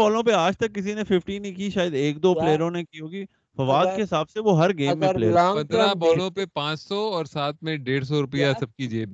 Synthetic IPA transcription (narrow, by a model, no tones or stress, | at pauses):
bɔːlõpeaːd͡ʒt̪ɐkːɪs̬inefɪfʈiːnĩkiʃaːjəd̪eːkd̪oːpleːəɾõnekiɦoːɡiː | fɐʋaːd̪keɦɪsaːbseʋoɦɐɾɡeːmːẽlḛːɐ̃nd̪ɾabɔːllõpepãːt͡ʃsɔɔːɾsaːt̪mẽɖeːɽs̬ɔɾʊpijasɐb̚kid͡ʒeː